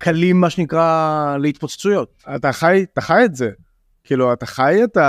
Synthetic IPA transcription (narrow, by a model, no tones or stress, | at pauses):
kʰalimːaʃenikʁaleit̪pot͡st͡sujo̞t̚ataχajtaχajetze | kʰiːluataχajeta